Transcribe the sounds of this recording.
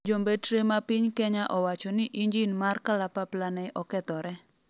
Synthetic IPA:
d͡ʒombetɾemapɪɲkɛɲaʔɔwat͡ʃɔnɪʔiɲd͡ʒinmarkalapaplanɛʔɔkɛt̪ɔɾɛ

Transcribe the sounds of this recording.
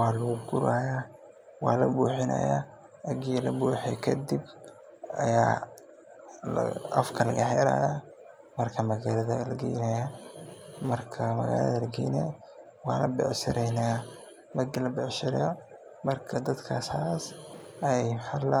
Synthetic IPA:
ɑːlɐɣʊɡʊɾaːjaː | wɑːlɐbuːħɪnɐ̰ja̰ː | ɐɡilɐbuːħɛkʰɐd̪ib | ɐ̰jaː | l̰ɐ̰fkʰɐlɐ̰ɣɐħɛɾa̰ːjɔ | mɐrkʰɐmɐɣaːlɐðɐlɐɡɛ̰jnɐja | mɐrkʰɐmɐ̰ɣa̰ːlɐ̰ðɐlɐɡɛːjnɐ | wɑːlɐ̰bɛ̰ʕʃɪɾɛjnaː | mɐɡlɐbɛʕʃɪɾjɔ | mɐrkʰɐd̪ɐd̪kʰaːsaːsɐɛjħal

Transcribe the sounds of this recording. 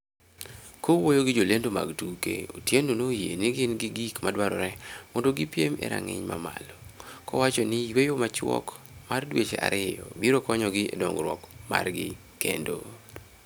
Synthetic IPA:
kowojoɡɪd͡ʒolendoma̰ɡtukḛotjendonojenɪɡɪnɡɪɡikmadwaɾɔɾɛmɔndoɡɪpjemɛ̰ɾa̰ŋɪ̰ɲmamalɔkɔwat͡ʃɔnɪjwejomat͡ʃwɔ̰k | mardwet͡ʃeʔa̰ɾɪjɔbiɾokɔɲɔɡɪḛdɔŋɡɾwɔkma̰rɡɪ | kendo

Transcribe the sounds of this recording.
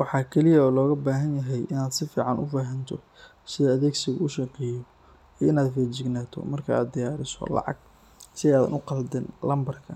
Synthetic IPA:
wɑħɑːkʰɛlɪjɐɔːlɔːɣɐbaːɦɐnjɐɦɛjʔɪnaːd̪sɪfiːʕɑnʊfaːɦɐnt̪ʰɔ̰ | sɪðɐɐðɛːɡsɪɣɐʊʃɑqɛːjɔ | iɪnaːd̪fɛːt͡ʃɪɡnaːt̪ʰɔ̰mɐrkʰɐa̰ːd̪̚d̪ɪjaːɾɪsɔ̰lɑ̰ʕɑ̰ɡ | sɪɛaːðɐ̰nʊqɑld̪ɛnlɐmbɐrkʰɐ

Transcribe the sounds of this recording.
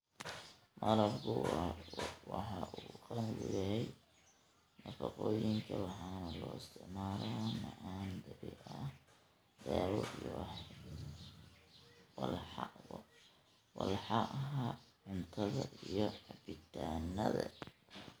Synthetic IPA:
mɐlɐbkʰʊ | wɑħɑːʔuːqɑnʊɣʊjɐɦɛj | nɐfɑqɔːjɪŋkʰɐwɑħɑːnɐlɔːɪst̪ʰɪʕmaːlamɐʔaːnd̪ɐbiʔɐ | d̪aːwɔij | wlħɑ | wɑlħɑʔɦaʕʊnt̪ʰɐðɐʔijɔħɑbɪt̪ʰaːnːɐðɐ

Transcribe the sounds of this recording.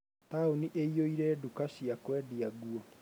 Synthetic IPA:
t̪aoniʔeioiɾɛːdukaɕiakwɛːdiaɡwɔ

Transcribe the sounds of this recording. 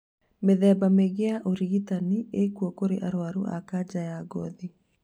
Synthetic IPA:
meðɛːbameɣeaʔoɾiɣitaniekwɔkoɾḛʔaɾoaɾṵʔa̰kad͡ʒajaɡɔði

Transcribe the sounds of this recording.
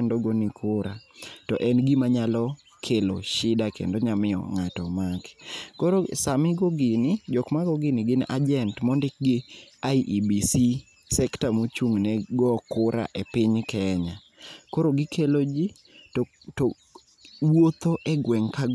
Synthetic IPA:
endoɡɔnɪkʰʊɾatɔ̰ʔɛnɡimaɲalɔ | kʰelo̰ʃɪdakḛndoɲamɪɔ̰ŋatɔmakkɔɾosamɪɡɔɡɪnɪd͡ʒɔkmaɡɔɡɪnɪɡɪnʔad͡ʒɛntmɔndɪk̚ɡɪaiʔibisi | sɛktamot͡ʃuŋnɛɡɔkʊɾa̰ʔepɪɲkɛɲa | koɾoɡɪkʰelod͡ʒi | tɔ | to | wot̪oʔɛɡwɛŋka

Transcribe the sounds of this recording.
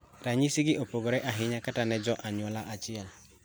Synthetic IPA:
ɾaɲisɪɡɪʔopoɡoɾɛʔaɦɪɲakatanɛd͡ʒɔʔaɲwɔlaʔat͡ʃɪɛl

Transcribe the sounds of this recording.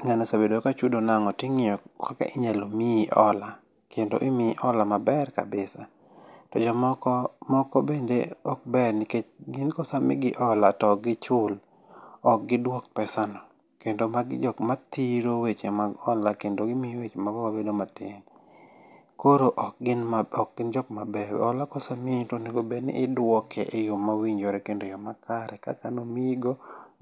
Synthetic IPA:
ŋanesabedokat͡ʃudonaŋɔtɪŋɪjɔkaka̰ʔɪɲalomiʔɔla | kendo̰ʔɪmɪʔɔlamabɛrka̰bɪsa | tɔd͡ʒɔmkmɔkɔbendeɔk̚bɛrnɪket͡ʃɡɪnkɔsamɪɡɪʔɔlatɔɡɪt͡ʃʊl | ɔk̚ɡɪdwok̚pɛsanɔ | kendomaɡd͡ʒɔkmat̪iɾowet͡ʃemaɡɔlakendoɡɪmiwet͡ʃemabawabedomatɪn | koɾoʔɔk̚ɡɪnaɔk̚ɡ̥ɪnd͡ʒɔkmabɛw̰ɔlakɔsamɪtoneɡobenɪ̰ʔɪdwɔkʰɛ̰ʔejomawiɲd͡ʒoɾɛkendojɔmakʰaɾʔɛka̰kanomiɡo

